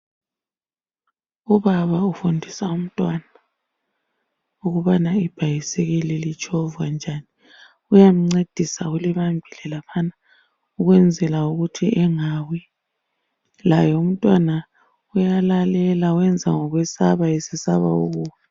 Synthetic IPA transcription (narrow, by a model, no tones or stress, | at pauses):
uβaβaufundʱisaum̩tʼwana | uɣuβanaib̥ʱajisɛɣɛlilit͡ʃʼɔvwand͡ʒʱani | ujam̩ŋ͡ǀed̥ʱisauliβambʱilɛlapʰana | uɣwɛnd͡zʱɛlauɣutʰiʔɛŋawi | lajɔum̩tʼwana | ujalalɛlauwɛnd͡zʱaŋɔɣwɛsaβaisisaβa̰o̰ɣuːwɛ